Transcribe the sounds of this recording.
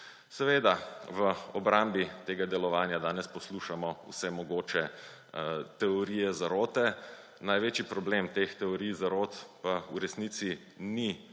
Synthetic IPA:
sɛʋeːd̪aʋəɔbɾambit̪eːɡad̪ɛlɔʋaːnjad̪aːnɛspɔsluʃamɔṵsɛmɔɡoːt͡ʃɛ | t̪ɛɔɾiːjɛzaɾoːt̪ɛ | najʋet͡ʃjipɾɔblemt̪ext̪ɛɔɾijzaɾot̪pauɾɛsnit̪si | ni

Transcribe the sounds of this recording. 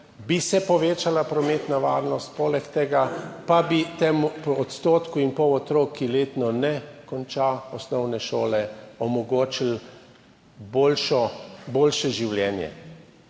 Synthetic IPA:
bisɛpɔʋeːt͡ʃalapɾɔmeːt̪naʋaːɾnɔst̪̚poːlɛkt̪ɛɡapabit̪emupɔɔt̪st̪oːt̪kuinpɔwɔt̪ɾoːkʰːileːt̪nɔnɛkɔnt͡ʃaɔsnɔwnɛʃoːlɛɔmɔɡoːt͡ʃil | boːlʃɔboːlʃɛʒiwljɛːnjɛ̰

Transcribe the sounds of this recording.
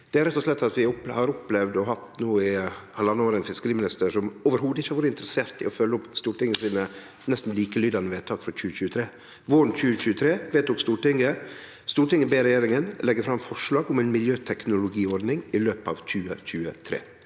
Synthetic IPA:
d̪̥ɛæɾɛt̪ːɔʂlɛt̪ːɑt̪ʋɪɔhɑɾɔplɛʋd̪ɔɦɑt̪ːnuːɪhɑləɑnːəoːɾɛnfɪskəɾiːmɪnɪst̪əʂɔmoːʋəɾhuːd̪əɪçːhɑɾʋoːɾəɪnt̪ɾəseːɾt̪ɪ̰ɔfœlːəɔpst̪uːɾʈɪŋːəsiːnə | nɛst̪n̩liːkəlyːd̪ɑnəʋeːt̪ʰɑːkfɔc͡çʉːəçʉːət̪ʰɾeː | ʋʊɾnc͡çʉːəc͡çʉːət̪ʰɾeːʋeːt̪uːkst̪uːʈɪŋːə | st̪uːɾʈɪŋəbeːɾɛjeːɾɪŋənlɛɡːəfɾɑmfɔʂɭɑːɡʊmæɪnmɪljøːt̪ʰɛknʊlʊɡiːɔɾd̪nɪŋɪløːpɑ̰ʋc͡çʉːəc͡çʉːət̪ʰɾḛː

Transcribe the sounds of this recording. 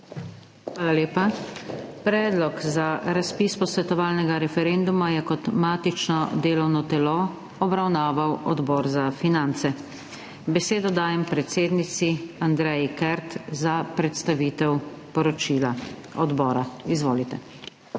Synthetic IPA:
xʋaːlaleːpa | pɾɛːd̪lɔkzaɾaspiːspɔsʋɛt̪ɔʋaːlnɛɡaɾɛfɛɾeːnd̪umajɛkɔt̪maːt̪it͡ʃnɔd̪eːlɔwnɔt̪ɛlɔ | ɔbɾawnaːʋawɔ̰d̪bɔːɾzafinant̪sɛ | bɛseːd̪ɔd̪aːjɛmpɾɛt̪seːd̪nit̪siand̪ɾɛjikɛɾt̪zapɾɛt̪st̪aʋiːt̪ɛw | pɔɾɔt͡ʃiːla | ɔd̪bɔːɾaizʋoːlit̪ɛ

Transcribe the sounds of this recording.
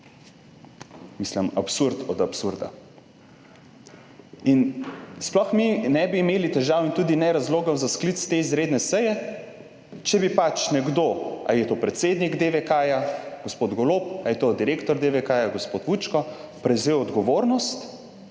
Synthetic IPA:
misləmapsuɾt̪ɔd̪apsuɾd̪a̰ | insplɔxminɛbiːmeːlit̪ɛʒaːwint̪uːd̪inɛɾazloːɡɔzasklit̪st̪eizɾed̪nɛsəjɛ | t͡ʃɛbipat͡ʃnɛɡd̪oa̰jɛt̪opɾɛt̪seːd̪niɡd̪eʋɛkaːjaɡ̥ospod̪ɡɔloːpajɛt̪od̪iɾeːkt̪ɔɾd̪eʋɛkajaɡospot̪ʋut͡ʃkɔpɾɛwzewɔd̪ɡɔʋoːɾnɔst̪

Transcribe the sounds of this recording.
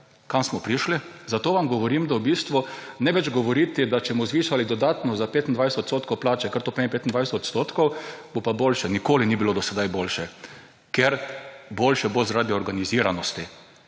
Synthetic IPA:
kamsmɔpɾiʃli | zat̪oːʋamɡɔʋɔɾimd̪awbiːst̪ʋunɛʋɛd͡ʒɡɔʋɔɾiːt̪ɪd̪at͡ʃɛmɔzʋiːʃalid̪ɔd̪aːt̪nɔzapeːt̪ind̪ʋajsɛt̪ɔt̪st̪oːt̪kowplaːt͡ʃɛkəɾt̪oːpempeːt̪ind̪ʋajsɛt̪ɔt̪st̪oːt̪kɔwb̥opaboːlʃɛnikoːlinibilod̪ɔsɛd̪ajboːlʃɛ | kjeɾboːlʃɛbozaɾaːd̪iɔɾɡaniziːɾanɔst̪i

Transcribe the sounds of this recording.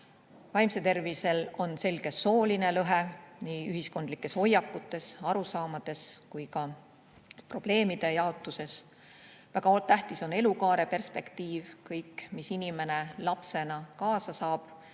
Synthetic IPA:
vɑjmse̞t̪e̞rvise̞lo̞nse̞lɡ̥e̞so̞ːline̞lɤɦe̞niːyɦisko̞nd̪likːˑe̞so̞jːɑkːˑut̪ːˑe̞sɑɾusɑːmɑd̪̥e̞skujkɑ | pro̞b̥le̞ːmid̪̥e̞jɑot̪ːˑuse̞s | væɡ̥ɑolt̪ːæht̪iso̞ne̞lukɑːɾe̞pe̞rspe̞kt̪iːvkɤjkmisinime̞ne̞lɑpse̞nɑkɑːsɑsɑːb̥

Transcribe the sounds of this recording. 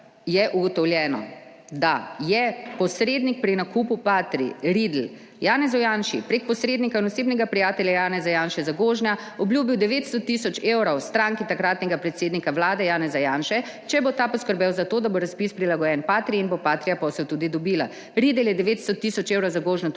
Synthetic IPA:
jɛʔuɡɔt̪ɔwljɛːnɔ̰ | d̪ajɛpɔsɾeːd̪nik̚pɾinakuːpupaːt̪ɾḭɾid̪l̩ | jaːnɛzɔjaːnʃḭpɾek̚pɔsɾeːd̪nikainɔseːbnɛɡapɾijaːt̪ɛljajaːnɛzajaːnʃɛzaɡoːʒnʲa | ɔbljuːbiwd̪ɛʋeːt̪st̪ɔt̪isɔt͡ʃewɾawst̪ɾãːŋkit̪akɾaːt̪nɛɡapɾɛt̪seːd̪nikawlaːd̪ɛjaːnɛzajaːnʃɛ | t͡ʃɛbot̪aːpɔskəɾbɛwzat̪oːd̪aboɾaspispɾilaɡɔjɛnpaːt̪ɾiinbopaːt̪ɾijapɔsɛwt̪uːd̪id̪ɔbiːla | ɾid̪ɛljɛd̪ɛʋeːt̪st̪ɔt̪ːisɔt͡ʃewɾɐwzaɡoːʒna

